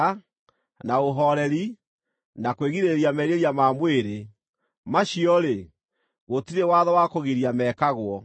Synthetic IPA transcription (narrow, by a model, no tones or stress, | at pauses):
naoɦɔɾɛɾi | nakweɣiɾeɾiamɛɾeɾjamaːmweɾe | maɕiɔɾe | ɣotiɾewaðɔwakoɣiɾiamɛːkaɣwɔ